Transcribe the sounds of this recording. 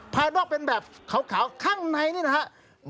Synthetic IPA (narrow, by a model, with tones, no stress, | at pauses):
pʰaː˧dɔː˥˩k̚pe˧nbɛː˨˩p̚kʰa˨˩˦wkʰaː˩˦wkʰaː˥˩ŋna˧jniː˥˩na˧kʰʔ | m